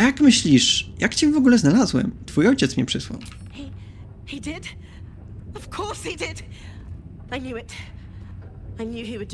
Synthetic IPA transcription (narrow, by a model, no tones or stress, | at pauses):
ajakmɘɕlʲiʂjakt͡ɕɛvɔɡulɛznalazwɛ̰mt̪fujɔjt͡ɕɛt̪smɲɛpʂɘzwa̰w | hi | hidɪd | ʌv̥kʰɔɹshidɪd̥ | aɪnjʉɪt | aɪnjʉiwɨd̚